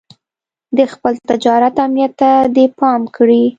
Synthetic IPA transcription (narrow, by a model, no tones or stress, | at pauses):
d̪əxpəlt̪ɪd͡ʒɑɾat̪amnijat̪ːad̪epɑmkɽi